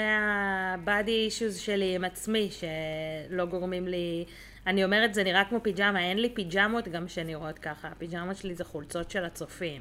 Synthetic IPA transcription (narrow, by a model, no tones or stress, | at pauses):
eabadiiʃuzʃeliemat͡smiʃe̞lo̞ɡo̞ʁmimli | anio̞me̞ʁet̪zeniʁakmopid͡ʒamaenlipid͡ʒamo̞t̪ɡamʃeniʁo̞t̪kaχapid͡ʒamotʃlizeχult͡so̞tʃe̞lat͡so̞fim